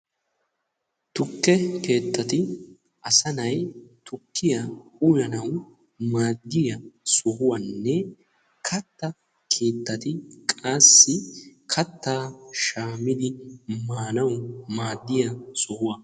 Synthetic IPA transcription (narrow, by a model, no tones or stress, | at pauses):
t̪ʊkːɛke̞ːt̪ːɐt̪ɪ | ʔɐsɐnɐjt̪ʊkʰːɪjɐʊjɐnɐw | maːd̪ːɪjɐsɔhʊwɐnːɛ | kʰɐt̪ːɐ | kʰe̞ːt̪ːɐt̪ɪkʼaːsːɪkʰɐt̪ːaːʃaːmɪd̪ɪmaːnɐwmaːd̪ːɪjɐsɔhʊwɐ